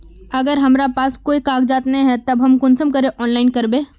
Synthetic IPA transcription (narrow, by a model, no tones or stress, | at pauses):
ɐɡəɾɦɐmɾapaːskoːikaːk̚d͡ʒaːt̪nɐĩɦɛt̪ɐbɦɐmkʊnsəmkɐɾeʔɔːnlaːɪnkɐɾbẽː